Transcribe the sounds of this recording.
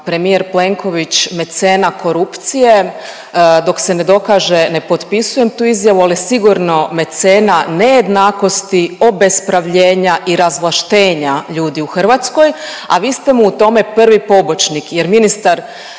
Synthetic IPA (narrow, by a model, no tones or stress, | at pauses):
pɾe̞mije̞ɾple̞ŋkʰo̞ʋit͡ɕme̞t̪seːnakʰo̞ɾupt̪sije̞ | d̪o̞kse̞ne̞d̪o̞kaːʒene̞po̞t̪pisuje̞mt̪uːizjaʋualisiɡuɾno̞me̞t̪se̞ːnane̞je̞d̪naːko̞st̪io̞be̞spɾaʋʎe̞ːɲaʔiɾazʋlˠaʃt̪e̞ːɲaʎuːd̪iuxr̩ʋat̪sko̞ja̰ʋiːst̪emuːt̪o̞me̞pr̩ʋipo̞bo̞t͡ʃnikje̞ɾminist̪aɾ